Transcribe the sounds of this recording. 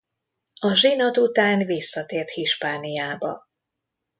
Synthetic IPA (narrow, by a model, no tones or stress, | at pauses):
ɒʒinot̪ut̪aːnvisːɒt̪eːrt̪hiʃpaːnijaːbɒ